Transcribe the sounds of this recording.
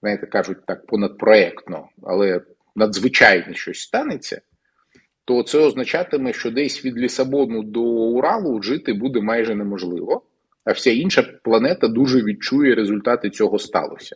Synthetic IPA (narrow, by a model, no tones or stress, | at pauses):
znajt̪ɛkɑʒʊt̚ʲt̪ɑk̚pɔnɐd̪̚pɾɔɛkt̪nɔ̰ | ɐ̰lˠɛ | nɐd̪zʋɪt͡ʃajnɛʃt͡ʃɔsʲst̪ɑnɪt͡sʲːɐ̰ | t̪ɔt̪sɛɔznɐt͡ʃɑt̪ɪmɛʃt͡ʃɔd̪ɛsʲʋʲid̪lʲisɐbɔnʊd̪ɔʊɾɑlˠʊʐɪt̪ɪbud̪ɛmɑjʐɛnemɔʒlˠɪ̰ʋɔ | ɐwsʲainʃɐplˠɐnɛt̪ɐd̪uʐɛʋʲid̪̚t͡ʃujɛɾezʊlʲt̪ɑt̪ɪt͡sʲɔɦɔst̪ɑ̰lˠɔ̰sʲɐ̥